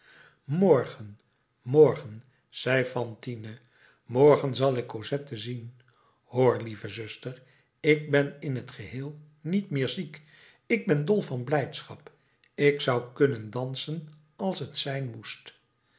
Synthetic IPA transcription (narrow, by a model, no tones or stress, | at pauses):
mɔɹχən | mɔɹχən | z̥ɛjfɑntinə | mɔɹχənzɑlˠɪkːozɛtəzin | hoːɹlivəzɵstəɹ | ɪɡ̚bɛnɪnɦətχəɦɪːlˠ | nitmɪːɹzik | ɪɡ̚bɛndɔlˠvɑnblɛjtsχɑ̰p | ɪksʌwkɵnəndɑnsən | ɑlˠsətsɛjnmust